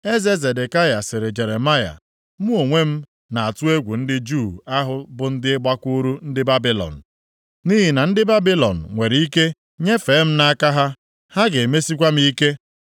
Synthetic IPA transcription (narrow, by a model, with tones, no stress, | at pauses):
e˦ze˦ze˨de˨ka˦ja˨sɪ˨ɾɪ˨d͡ʒe˨ɾe˨ma˦ja̰˨ | mu˦o˨ŋʷe˦m̩˦ | na˨a˨tu˦e˦ɡʷu˨n̩˦dɪ˦d͡ʒu˦˨a˦ɦʊ˦bʊ˨n̩˦dɪ˦ɪ˦ɡ͡ba˦kʷu˦ɾu˦n̩˦dɪ˦ba˦bi˦lɔ̰˨n̩˨ | ni˦ɦi˨na˨n̩˦dɪ˦ba˦bi˦lɔ˨n̩˨ŋʷe˨ɾi˦ke˦ | ɲe˦fe˨˦m̩˦na˦ka˦ɦa˦ | ha˦ɡe˨me˦si˦k̬ʷa˦m̩˦i˦ke˦